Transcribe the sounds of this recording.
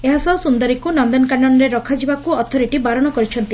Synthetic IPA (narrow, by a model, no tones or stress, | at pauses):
eɦasɔsund̪ɔɾikunɔnd̪ɔnkaɳːɔɽ̃ɔɾeɾɔkʰad͡ʒibakuɔt̪ʰɔɾiʈibaɾɔɽ̃ɔkɔɾit͡ʃʰɔnt̪i